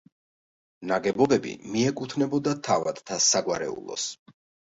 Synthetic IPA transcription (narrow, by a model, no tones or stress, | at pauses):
naɡɛbɔbɛbḭmiɛkʼut̪ʰnɛbɔd̪at̪ʰavad̪t̪ʰasaɡwaɾɛ̰ṵlˠɔ̰s